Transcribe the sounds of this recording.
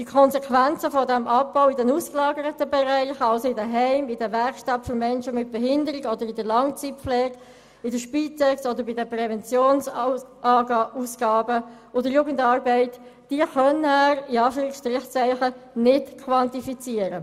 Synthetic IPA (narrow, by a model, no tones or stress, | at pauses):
d̥ikʰɔnsɛkʰʋænt͡səfɔdɛmʔɑpːaʊidɛnuːsklɑːɡəɾətəbɛɾæɪχɑlsoɪdəɦɛɪmidəvɛɾkʃtɑtfɔɾmɛnʃəmɪt̚b̥ɛɦɪndəɾɪɡɔd̪əɾidəlɑŋt͡sitflɛːɡ̥ | idəʃpit͡sɛksɔdəɾbidəprɛvɛnt͡sjoːnsʔɑːɡuːsɡɑːbə | odəjuːɡən̩tɑːɾbɛɪtd̥iəχœnæɾiɑːfyːɾɪksʃtɾɪχt͡sæɪχənɪtkʰʋɑntifit͡siəɾə